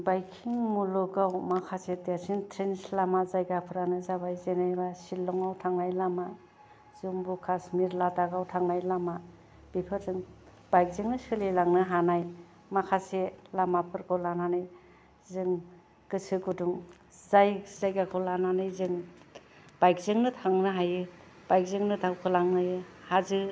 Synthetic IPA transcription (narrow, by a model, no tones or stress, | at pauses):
bajkʰiŋmulɔɡawmakʰasedasintʰɾinslamazajɡapʰɯɾanɯzaβajzenajbasilːɔŋawtʰaŋnajlama | z̥uŋbukʰasmiɾlataɡawtʰaŋnajlama | b̥ipʰɯɾzɯŋ | b̥ajk̚zɯŋnɯsɯlelaŋnɯɦanaj | makʰaselamapʰɯɾkʰɔlananɯj | zɯŋ | ɡɯsɯɡuduŋ | zajz̥ajɡakʰɔlananɯjzɯŋ | b̥ajk̚zɯŋnɯtʰaŋnɯɦajɯ | b̥ajk̚zɯŋnɯtʰawkʰɯlaŋnajɯhazɯ